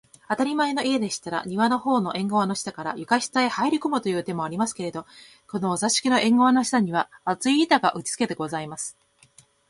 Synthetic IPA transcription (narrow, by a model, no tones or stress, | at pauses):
at̪aɾʲimaeno̞ʔie̞d̪e̞ɕi̥t̪aɾa̰ɲ̟iβano̞ho̞ːno̞ʔẽ̞ŋɡo̞βano̞ɕi̥t̪akaɾa̰jɯ̟kaɕi̥t̪aehaiɾʲikomot̪o̞jɯ̟ːt̪e̞mo̞aɾʲimasɨ̥ke̞ɾe̞d̪o̞ | ko̞no̞ːzaɕi̥kʲino̞ʔẽ̞ŋɡo̞βano̞ɕi̥t̪aɲ̟iβ̞aːt͡sɨiːt̪aɡaʔɯ̟t͡ɕi̥t͡sɨ̥ke̞t̪e̞ɡo̞zaimasɨ̥